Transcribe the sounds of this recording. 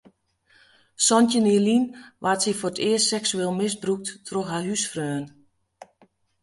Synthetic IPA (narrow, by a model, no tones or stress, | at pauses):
sɔntəniəlinʋʔatsiforətɪəstsɛksyeːlˠmɪsbruk̚ttʰroxhaɦysfrøːn